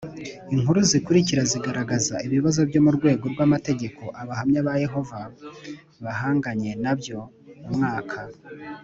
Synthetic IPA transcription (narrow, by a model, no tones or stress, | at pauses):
iŋuɾuzikuɾiciɾaziɡaɾaɡazaiβiβazo̞bjo̞muɾɡwe̞ːɡo̞ɾɡwamate̞ɟe̞ko̞ʔaβahamɲaβaje̞ɦo̞va | βahaːŋɡaɲe̞nabjo̞ | mumŋaːkʰa